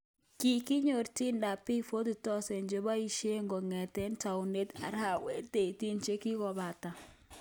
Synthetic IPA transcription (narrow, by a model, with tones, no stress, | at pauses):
ki˨ki˦ɲo˨ɾti˦nda˨pi˦fo˦du˨tɔ˦sɛ˨nd͡ʒo˨ba˦i˦ʃe˦ŋɡo˨ŋɛ˨tɛ˦nta˨u˨ne˦ta̰˨ɾha˦we˦te˨ti˦nt͡ʃe˦ki˦kɔ˨ba˨ta˨